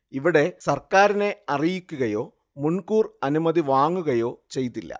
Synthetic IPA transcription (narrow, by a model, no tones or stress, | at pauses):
iʋiɽe̞sɐrkaːɾine̞ɐrijikʲːuɣɐjo̞ː | muɳkuːrɐnumɐðiʋaːŋːuɣɐjo̞ːt͡ɕe̞jt̪ːilːɐ̰